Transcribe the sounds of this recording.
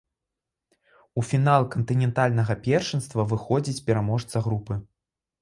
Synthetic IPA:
ufʲinalˠkɐnt̪ɨnʲɛnt̪alʲnɐɣɐpʲɛrʂɨnst̪vɐvɨxɔd͡zʲit͡sʲpʲɛɾamɔʂt̪sɐɣɾupɨ

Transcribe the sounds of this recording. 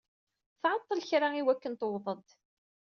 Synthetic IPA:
θʕɑt̪ˤːəlçɾaiwækːənt̪owðˤəd̪ˤ

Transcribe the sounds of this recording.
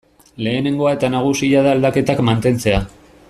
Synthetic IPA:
le̞ːne̞ŋɡo̞ae̞t̪anaɣ̞usiaðaeld̪ake̞t̪akmant̪e̞nt͡se̞a

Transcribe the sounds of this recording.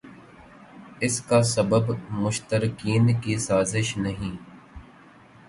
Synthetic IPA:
ɪskasɐbəbmʊʃt̪əɾɪkiːnkisaːzɪʃnɐɦĩː

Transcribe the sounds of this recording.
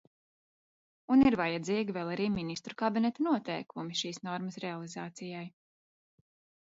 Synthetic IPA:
uniɾvajad̪ziːɡʲivɛlˠaɾiːminist̪ɾukabinɛt̪anuɔt̪ɛjkumiʃiːsnɔɾmɐsɾɛalˠizaːt̪sijaj

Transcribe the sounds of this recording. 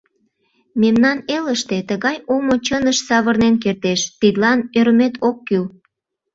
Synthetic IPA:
memnɑneləʃt̪et̪əɣɑjomot͡ɕənəʃsɑβərnenk̬ert̪eʃt̪id̪lɑnøɾəmet̪ʰokːyl

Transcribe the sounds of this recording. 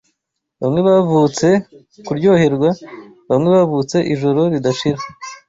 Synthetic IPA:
βa̰mŋe̞βavut͡se̞ | kuɾɟo̞ːhe̞ɾɡwa | βamŋe̞βavut͡se̞ʔiʒo̞ɾo̞ɾidaʃiɾa

